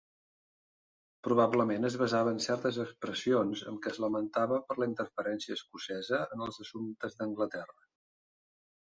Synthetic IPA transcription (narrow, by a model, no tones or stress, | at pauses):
pɾuβ̞abləmenəzβəzaβənsɛrt̪əzəkspɾəsionzə̰mkɛzləmənt̪aβəpəɾləint̪ərfəɾɛnsiəːskusɛzəənəlˠzəsunt̪əzðəŋɡlət̪ɛrə